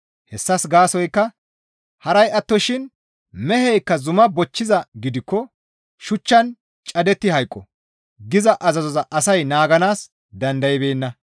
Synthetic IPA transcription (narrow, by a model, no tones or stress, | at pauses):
hɛsːɐsɡaːsɔjkːɐ | hɐɾɐjɐt̪ːɔʃɪn | mɛhɛjkːɐzʊmɐbɔt͡ʃːɪzɐɡɪd̪ɪkːɔ | ʃʊt͡ʃːɐn | t͡ʃʼɐd̪ɛt̪ːɪhɐjkʼːɔ | ɡɪzɐʔɐzɐzɔzɐʔɐsɐjnaːɡɐnaːs | d̪ɐnd̪ɐjɪbeːnːɐ